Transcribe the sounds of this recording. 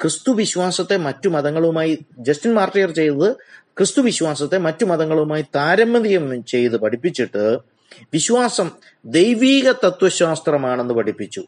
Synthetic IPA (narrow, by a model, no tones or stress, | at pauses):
krɨst̪uʋiɕʋaːsɐt̪ːe̞mɐtːumɐðɐŋːɐɭumaːjid͡ʑɐstinmaːrtijɐrt͡ɕe̞jt̪ɐðɨkrɨst̪uʋiɕʋaːsɐt̪ːe̞mɐtːumɐðɐŋːɐɭumaːjit̪aːɾɐmːɐðijɐmt͡ɕe̞jt̪ɨpɐʈʰipːit͡ɕːiʈːɨ | ʋiɕʋaːsɐm | d̪e̞jʋiːɣɐt̪ɐt̪wɐɕaːst̪rɐmaːɳe̞nːɨpɐʈʰipːit͡ɕːu